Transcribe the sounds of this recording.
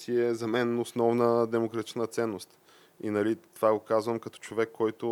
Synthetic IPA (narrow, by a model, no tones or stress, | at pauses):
siɛzɐmɛnosnɔvnəd̪ɛmokɾɐt̪i̥t͡ʃnət̪sɛnːost̪ | inɐlitt̪ovaɡokazvəmkɐt̪ɔ̥t͡ʃovɛkːɔjt̪ʊ